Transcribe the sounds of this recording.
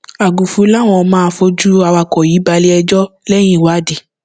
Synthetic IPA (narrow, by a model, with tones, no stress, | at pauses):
a˨ɡu˨fũ˧˦la˦˨w̃ɔ̃˧mãː˦˧fo˧d͡ʒu˦a˧wa˧kɔ˨ji˨˦ba˧li˦ɛ˧d͡ʒɔ˦lɛ˦j̃ĩ˦˨wa˨˦de˨